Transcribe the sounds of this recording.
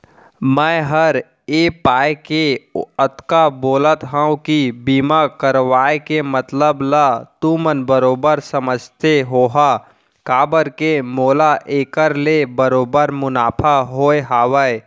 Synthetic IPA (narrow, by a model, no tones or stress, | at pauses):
mə̃ɦəɾ | eːpaːekeət̪kaboːlət̪ɦãũkibiːmakəɾʋaːekemət̪ləblat̪ũmənbəɾoːbəɾsəməd͡ʒʱt̪eɦoːɦa | kaːbəɾkemoːlaʔeːkəɾlebəɾoːbəɾmʊnaːpʰaɦoːeɦaːʋəe